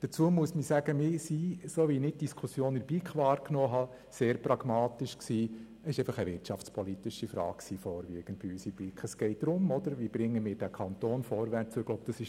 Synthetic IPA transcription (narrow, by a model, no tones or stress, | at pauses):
d̥ət͡suəmuəsmisæɡ̥əmɪsisoːʋinɪt̚d̥iskʰusjoːnɪbikχʋɑːɾknɔːɦɑ | seːɾprɑɡ̥mɑːt̪ɪʃksiː | əsɪʃɛeɪfɑχəʋɪrtʃɑft͡spʰɔlit̪ɪʃifɾɑ̰ːk̚ksiːfɔːɾʋiːəɡ̥ən̩d̚b̥ɪysib̥likχəsɡ̥ɛɪt̚d̥ɾʊmɔd̥̪əɾʋib̥ɾɪŋːəmɪːɾd̥ækʰɑnt̪oːnfɔɾʋæɾt͡suəɡ̥loʊb̥̚d̥ɑsɪʃ